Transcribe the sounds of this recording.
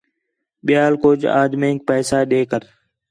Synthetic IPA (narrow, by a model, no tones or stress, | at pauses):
ɓɪjaːlkʊːd͡ʒa̰ːd̪mẽːk̚pɛːsaːɗeːkəɾ